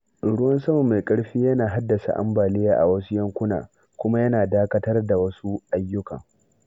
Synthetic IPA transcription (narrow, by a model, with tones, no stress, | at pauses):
ɽʊ˦wɐ˦nsɐ˦mɐ˨mːa˨kʼɐ˦ɽɸiː˦jɐ˦naː˨ɦa˦dːɐ˨sa̰˨ʔa̰˦mbaː˨lɪ˦jaː˦ʔa̰˨wɐ˦su˦jɐ˦ŋkʷʊ˦na̰ː˨ | kʷʊ˦ma˦jɐ˦naː˨daː˦kɐ˦tɐ˦rda˨wɐ˦su˦ʔa˦jːʊ˦kɐ˨ŋ